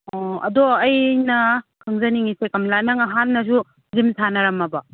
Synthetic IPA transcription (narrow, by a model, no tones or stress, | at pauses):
ɔɐ̰dɔɐjnɐkʰɯŋzɐniŋisekɐmlanɐŋɐɦanːɐzu | zimtʰanɐɾɐmɐbɐ